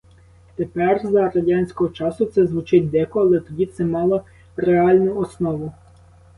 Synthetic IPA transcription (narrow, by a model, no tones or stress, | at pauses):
t̪epɛrzɐɾɐdʲɑnʲsʲkɔɦɔt͡ʃɑsʊt̪sɛzʋʊt͡ʃɪtʲd̪ɛkɔɐlˠɛt̪ɔdʲit̪sɛmɑlˠɔ | reɑlʲnʊɔsnɔʋʊ